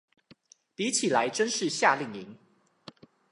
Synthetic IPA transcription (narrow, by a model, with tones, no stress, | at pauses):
pi˨˦t͡ɕʰi˨˩la˨˦ɪʈ͡ʂə˦nʂɻ̩˥˨ɕja˥˧˨li˥˨˩ŋi˨˦ŋ